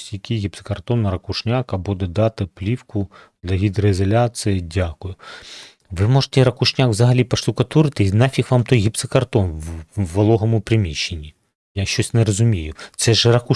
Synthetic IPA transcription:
sʲjɐkʲijɣʲɪpse̥kɐrt̪ɔnɾɐkʊʃnʲakɐbud̪ɛd̪ɑt̪ɪplʲiwkʊd̪lʲɐɦʲid̪reizɐlʲat͡ssɨjɪdʲakʊjʊ | ʋɪmɔʒe̥t̪ɛɾɐkʊʃnʲakʋzɐɦɐlʲipɐʃt̪ʊkɐt̪uɾɪt̪ɪnafʲixʋɑmt̪ɔjɣʲɪpsekɐrt̪ɔnːɐlˠɔɦɔmʊpɾɪmʲiʃːenʲːi | jaʃt͡ʃɔsʲnɛɾɔzʊmʲijʊt̪sɛʒɾɐku

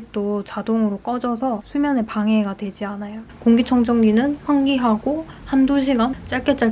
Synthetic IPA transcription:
ik̚t͈ot͡ɕadoŋɯɾok͈ʌd͡ʑʌsʰʌsʰumjʌne̞paŋe̞ɡadwe̞d͡ʑianajokoŋɡit͡ɕʰʌŋd͡ʑʰʌŋɡinɯnɸwaŋɡiɦaɡohandoɕʰiɡant͡ɕ͈aɭk͈et͡ɕ͈a

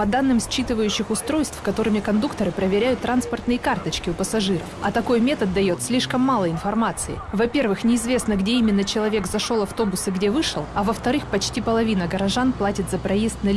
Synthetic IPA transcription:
pɐd̪anːɨmsʲt͡ɕit̪ɨvəjʉɕːɪxʊst̪ɾo̞jst̪fkɐt̪o̞ɾɨmʲɪkɐnd̪ukt̪əɾɨpɾəvʲɪɾʲæjʊt̪ːɾanspərt̪nɨjəkart̪ət͡ɕkʲɪʊpəsɐʐɨɾə̰fɐ̰t̪ɐko̞jmʲet̪ət̪̚d̪ɐjo̞t̪sʲlʲiʂkəmːalˠəɪnfɐrmat̪sɨɪ̰vɐpʲe̞rvɨxnʲɪɪzvʲe̞snəɡdʲeimʲɪnːət͡ɕɪlˠɐvʲe̞kzɐʂo̞lˠɐft̪o̞bʊsɨɡdʲe̞vɨʂɨlˠɐvəft̪ɐɾɨxpɐt͡ɕtʲipəlˠɐvʲinəɡəɾɐʐanplˠatʲɪt̪zəpɾɐjest̪nəlʲ

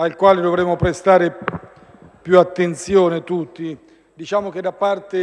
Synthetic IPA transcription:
ailkwaːlɪd̪ovɾɛmːʊpɾest̪aːɾe | pjuat̪ːent̪sjɔːnɪt̪ut̪ːi | d̪it͡ʃaːmok̟ed̪apːart̪e

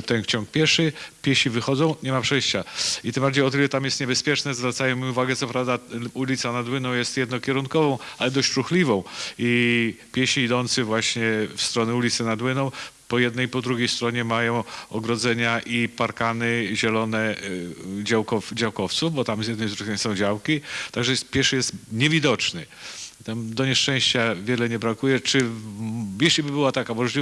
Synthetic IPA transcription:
t̪ɛnft͡ɕɔŋk̚pʲjɛʂɘpʲjɛɕivɘxɔd̪zɔ̃w̃ɲɛmapʂɛjɕt͡ɕait̪ɘmbaɾd͡ʑejɔt̪ɘlɛt̪amjɛst̪ɲɛbɛspʲjɛt͡ʂnɛzvɾat̪sajɛmʲiuvaɡɛt̪ɔpɾavd̪aulʲit̪sanad̪wɘnɔ̃w̃jɛst̪jɛd̪nɔkʲɛɾunkɔvɔ̃w̃alɛd̪ɔɕʂuxlʲivɔ̃w̃ipʲjɛɕiːd̪ɔnt̪sɨvwaɕɲɛfst̪ɾɔnɛulʲit̪sɛnad̪wɘnɔ̃w̃ | pɔjɛd̪nɛjpɔd̪ɾuɡʲejst̪ɾɔɲɛmajɔ̃w̃ɔɡɾɔd̪zɛɲaʔipaɾkanɘʑɛlɔnɛ | d͡ʑawkɔd͡ʑawkɔft̪suvbɔt̪amzjɛd̪nɛjzɾuɛɲsɔ̃w̃d͡ʑawkʲit̪aɡʐɛpʲjɛʂjɛst̪ɲɛvʲid̪ɔt͡ʂnɘ | t̪amd̪ɔɲɛʂt͡ʂɛ̃w̃ɕt͡ɕavʲjɛlɛɲɛbɾakujɛt͡ʂɘ | jɛɕlʲibɘbɘwat̪akamɔʐlʲi

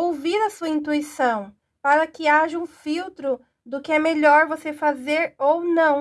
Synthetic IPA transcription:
owviɾɐsuɐĩnt̪̬uisɐ̃w̃ | paɾɐkɪaʒɐũfiwt̪ɾʊ | d̪ʊkɪɛmeʎɔɾvosefazeɾownɐ̃w̃

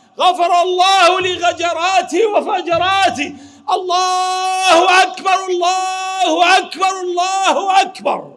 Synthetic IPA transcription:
ɣafɑɾˤɑlˤːɑːhʊlɪɣad͡ʒɑɾˤɑːt̪ɪwafad͡ʒɑɾˤɑːt̪ɪ | ʔɑlˤːɑːhʊʔakbɑɾˤɑlˤːɑhʔakbɑɾˤɑlˤːɑːhʊʔakbɑ̰ɾˤ

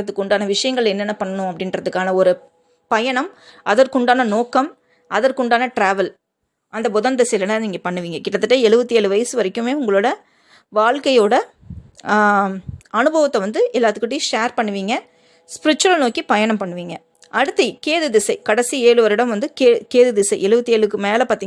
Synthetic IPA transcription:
ɐt̪ːɯkːʊɳɖaːnɐʋɪʂɐjɐŋɡɐɭɛnːɐnːɐpɐɳːɐnʊ̃ɐpːɐɽɪnɾɐðɯkːaːnɐɔɾɯ | pɐjɐɳɐmɐðɐɾkʊɳɖaːnɐnoːkːɐm | ʔɐðɐɾkʊɳɖaːnɐʈɾaːʋɐl | ʔɐnd̪ɐbɔðɐnd̪ɪsɛjlɐnɐniːŋɡɐpɐɳːɯʋiːŋɡɐkɪʈːɐt̪ːɯʈːɐɛɭɯbɐt̪ːieːɭɯʋɐjɐsɯʋɐɾɪkːɯmeːʊŋɡɐɭoːɽɐ | ʋaːɭkɐjoːɽɐ | ɐnɯbɐʋɐt̪ːɐʋɐnd̪ɯʔɛlːaːt̪ɯkːɪʈːɪjʂeːɾpɐɳːɯʋiːŋɡɐ | spɪɾɪt͡ʃːʊʋɐlnoːkipɐjɐɳɐmpɐɳːɯʋiːŋɡɐ | ʔɐɽɯt̪ːɐkeːðɯðɪsɐɪkɐɽɐsieːɭɯʋɐɾɪɽɐmʋɐnd̪ɯkeːkeːðɯðɪsɐɪʔɛɭɯbɐt̪ːieːɭɯkːɯmeːlɐpaːɾt̪iːŋ

